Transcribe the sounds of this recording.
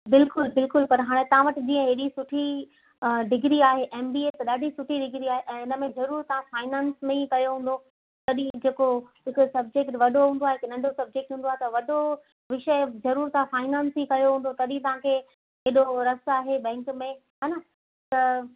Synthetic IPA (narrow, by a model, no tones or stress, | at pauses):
bɪlkʊlbɪlkʊlpɐɾɦaːɽ̃ẽt̪ɐʋ̤ãʋɐʈɪ̆d͡ʑĩːə̃ɦeɦɗisʊʈʰi | ɖɪɡɾiaːɦeʔeːmbiːeːt̪ɐɗaːɖʱisʊʈʰiɖɪɡɾiaːɦeʔɛ̃ːɪnəmẽzɐɾuːɾt̪ɐʋãfaːɪnãːnsmẽikɐjoɦũːn̆d̪o | t̪ɐɗĩd͡ʑeːkoɦɪkʊsɐb̚d͡ʑekʈʋɐɗoɦũːnd̪oaɦeɦɪknɐ̃ɳɖʱosɐb̚d͡ʑek̚ʈɦũːnd̪aɦet̪ɐʋɐɗo | ʋɪʃəzɐɾuːɾt̪ãfaːɪnãːnsikɐjoɦũːnd̪ot̪ɐɗĩt̪ɐʋ̤ãkʰe | ɦeɗoɾɐsaːɦeɓɛ̃ːŋkmẽɦaːna | t̪ɐ